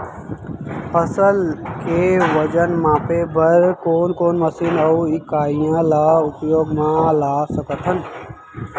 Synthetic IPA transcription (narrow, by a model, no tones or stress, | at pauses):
pʰəsəlkeʋəd͡ʒənmãːpebʱəɾkoːnkoːnməsinəɪkaːɪjãlaːʊpjoːɡmãlaːsəkət̪ʰən